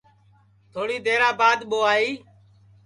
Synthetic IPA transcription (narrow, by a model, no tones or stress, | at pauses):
t̪ʰoːɽiːd̪eːɾãːbaːd̪ɓoːaːiː